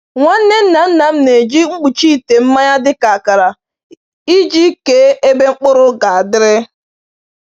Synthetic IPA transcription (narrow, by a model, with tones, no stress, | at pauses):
ŋʷa˦n̩˦ne˦n̩˦na˨n̩˦na˨m̩˦ne˨d͡ʒi˦ŋ͡m̩˦k͡pu˨t͡ʃi˦i˨te˨m̩˦ma˦ɲa˦dɪ˦ka˨a˨ka˨ɾa˨ | i˦d͡ʒi˦ke˦e˦be˦ŋ͡m̩˦k͡pʊ˦ɾʊ˦ɡa˨a˨dɪ˦ɾɪ˦